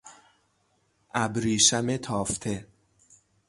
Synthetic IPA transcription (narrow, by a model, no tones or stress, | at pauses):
ʔæbɾiːʃæmet̪ʰɒːft̪ʰe